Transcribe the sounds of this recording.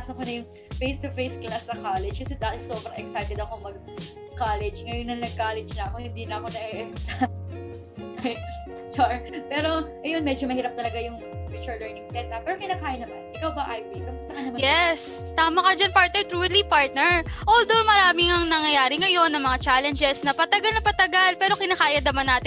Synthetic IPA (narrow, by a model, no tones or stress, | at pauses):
asokonɐjʊŋ | fejst̪ʊfejsklasːɐkaːlɛd͡ʒkɐsɛd̪aːt̪ɪsoːpɾɐʔɛksajt̪ɛd̪ɐkoŋmɐɡ̚ | kaːlɛd͡ʒŋɐjonːɐnɐɡ̚kaːlɛd͡ʒnɐɐkohɪnd̪inɐɐko̞nɐʔɛʔksa | ɐj | t͡ʃaɹpɛːɾo̞ʔɐjo̞nmɛd͡ʒomɐhiːɾɐp̚t̪ɐlɐɡajʊŋ | pɾit͡ʃuɹlɛɹnɪŋst̪ɛt̪ʔɐp̚ːɛːɾokɪnaːkaːjɐnɐmanʔɪkɐwbɐʔajpijbɐɡʊst̪ɐkɐnɐmajɛst̪aːmɐkɐd͡ʒɐnpaɹt̪nɛɹt̪ɾulipaɹt̪̚nɛɹʔold̪owmɐɾaːmɪŋɐŋnɐŋjɐjaːɾɪŋɐjo̞nːɐŋmɐŋat͡ʃalɛnd͡ʒɛsnɐpɐt̪ɐɡɐlnɐpɐt̪ɐɡalpɛːɾo̞kɪnaːkaːjɐd̪ɐmɐnːaːt̪ɪ